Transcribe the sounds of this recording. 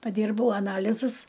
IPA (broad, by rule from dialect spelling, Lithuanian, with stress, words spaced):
pɐˈdʲiːrbɐʊ ɐˈnɑːlʲɪzʊs